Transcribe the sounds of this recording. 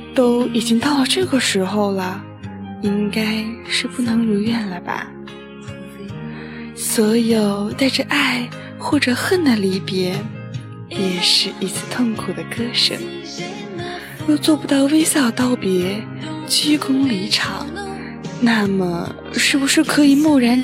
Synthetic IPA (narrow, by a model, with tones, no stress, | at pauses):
t̪o˥ʊi˨˩t͡ɕi˥ŋt̪ɑ˥˩ʊlə˧ʈ͡ʂɤ˥˩ɡə˩ʂɻ̩˧˥xo˥˧ʊlə˩ | i˥ŋka˥ɪʂɻ̩˥˩pu˥˩nɤ˧˥ŋu˧˥ɥɛ˥˩nlə˩bɐ̰˨˩ | swɔ˧˥jo˨˩ʊt̪a˥˧ɪʈ͡ʂə˧ʔa˥˩ɪ | xwɔ˥˩ʈ͡ʂɤ˨˩xə˥˩nd̪ə˩li˧˥pjɛ˧˥ | jɛ˨˩ʂɻ̩˥˩i˧˥t͡sʰɹ̩˥˧˩t̪ʰʊ˥˩ŋkʰu˨˩d̪ə˦kɤ˥ʂə̰˨˩˦ | jo˥˧ʊt͡swɔ˥˩pu˧˥t̪ɑ˥˩ʊwe˥ɪsjɑ˥˩t̪ɑ˥˩ʊpjɛ˧˥ | t͡ɕi˥kʰʊ˥ŋli˧˥ʈ͡ʂʰɑ̰˨˩˦ŋ | na˥˩mə̰˩ | ʂɻ̩˥˩bu˩ʂɻ̩˥˩kʰɤ˧˥i˨˩mu˥˩ɻa˧˥n